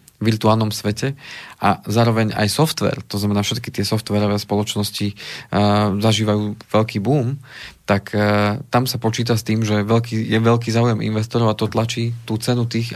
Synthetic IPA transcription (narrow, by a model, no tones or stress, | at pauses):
ʋiɾt̪uaːlˠnɔmsʋɛcɛʔazaːɾɔʋɛɲa̰jsɔft̪ʋɛ̰ːɾt̪ɔznamɛnaːfʃɛt̪kit̪ɪɛsɔft̪ʋɛɾɔʋɛːspɔlɔt͡ʃnɔsci | zaʒiːʋajuːʋɛʎkiːbuːmt̪akʰt̪amsapɔt͡ʃiːt̪ast̪iːmʒɛʋɛʎkijɛʋɛʎk̬iːzaːujɛmḭnʋɛst̪ɔɾɔʊat̪ɔt̪lat͡ʃiːt̪uːt͡sɛnut̪iːx